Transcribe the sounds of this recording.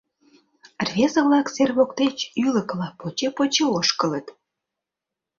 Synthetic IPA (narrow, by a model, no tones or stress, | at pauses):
rvʲezə̆βlɑkserβokt̪et͡ɕyləklɑpːot͡ɕepot͡ɕeoʃkələt̪